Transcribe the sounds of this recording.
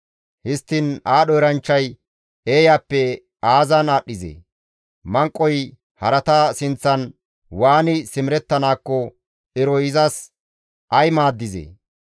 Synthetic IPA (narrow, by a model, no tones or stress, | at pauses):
hɪst̪ːɪnaːɗɔjɪɾɐnt͡ʃːɐj | eːjaːpːɛ | aːzɐnaːɗːɪzḛː | mɐŋkʼːɔj | hɐɾɐt̪asɪnt͡sːɐn | waːnɪsɪmɾɛt̪ːɐnaːkːɔ | ʔɪɾɔjɪzɐs | ʔɐjmaːd̪ːɪzḛː